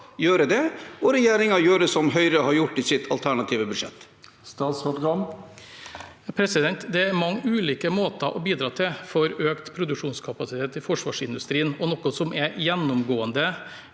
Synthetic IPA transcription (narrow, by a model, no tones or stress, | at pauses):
jøːɾəd̪ɛɔɾɛjeːɾɪŋɑɾjøːɾəsɔmɦœʏɾəhɑɾjʊʈːɪsɪt̪ʰɑlt̪ʰæɳɑt̪ʰiːʋəbʉd̪ʂɛ̰t̪ː | st̪ɑːt̪spʊt̪ɡɑm | pʰɾɛsɪd̪ɛnt̪d̪ɛæɾmɑŋːʉːliːkəmoːt̪ɑʔɔbiːd̪ɾɑːt̪ʰɪlfɔɾøːkt̪pʰɾʊd̪ʉkʂuːnskʰɑpɑsɪt̪ʰeːt̪ɪfɔʂʋɑ̰ːʂɪnd̪ʉst̪ɾiːənɔnɔkːɔsɔmʔɛjɛnːʊmɡoːənd̪ə